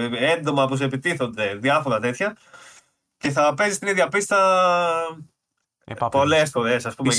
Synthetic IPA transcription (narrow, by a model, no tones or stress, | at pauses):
end̪o̞mɐpus̬epit̪iθo̞nd̪e̞ðjɐfo̞ɾɐt̪e̞t̪çɐ | ce̞θɐpe̞zist̪iniðʝɐpist̪ɐ | po̞lespolesɐspume